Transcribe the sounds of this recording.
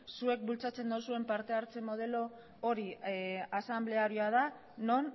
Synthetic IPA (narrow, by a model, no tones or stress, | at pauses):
sue̞k̚bult͡sat͡se̞nd̪osue̞mpaɾt̪e̞aɾt͡se̞mo̞ð̞e̞lo̞ː | ɾiasamble̞aɾioað̞a | no̞n